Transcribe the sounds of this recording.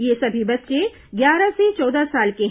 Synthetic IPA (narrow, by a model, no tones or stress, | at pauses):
jesɐbʱibɐtːʃe | ɡjaːɾaset͡ʃɔːd̪asaːlke